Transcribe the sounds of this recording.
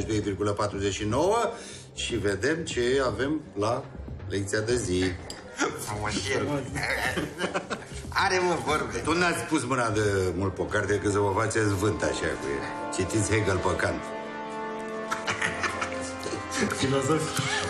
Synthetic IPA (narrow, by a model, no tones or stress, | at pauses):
ʃd̪o̞jvirɡuləpat̪ɾuzet͡ʃʃino̞wə | ʃive̞d̪e̞mt͡ʃe̞ave̞mlalek̚t̪siad̪ezi | fɾumuʃi | aɾemovorbeuund̪at̪sʲpusmɨnad̪emult̪̚po̞kart̪ekɨnsəvəfat͡ʃesvɨnt̪aʃa̰k | t͡ʃit̪it̪sʲheɡəlpəkant̪ | filozofi̥